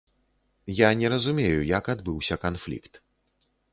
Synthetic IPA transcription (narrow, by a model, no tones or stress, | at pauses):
janʲɛɾɐzumʲejujɐkad̪bɨwsʲɐkanflʲḭkt̪